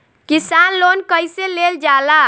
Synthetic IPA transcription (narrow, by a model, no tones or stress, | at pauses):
kisanlonkəjseleld͡ʒala